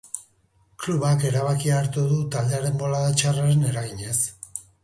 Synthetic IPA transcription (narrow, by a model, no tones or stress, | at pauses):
kluβake̞ɾaβ̞akiaɾt̪uðut̪ald̪eaɾe̞mbo̞laðat͡ʃaraɾe̞ne̞ɾaɣiɲe̞s